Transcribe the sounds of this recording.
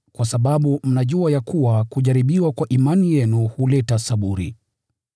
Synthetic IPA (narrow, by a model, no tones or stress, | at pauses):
kwasaɓaɓum̩naʄuajakuwakuʄaɾiɓiwakwaʔimanijɛnuhulɛtasaɓuɾḭ